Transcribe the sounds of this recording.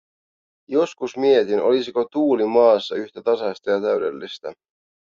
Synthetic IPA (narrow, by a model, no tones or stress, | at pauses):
jo̞skusmie̞t̪ino̞̰lisiko̞t̪uːlimɑːsːɑyht̪et̪ɑsɑst̪ɑjɑt̪æɥde̞̰lːist̪ɑ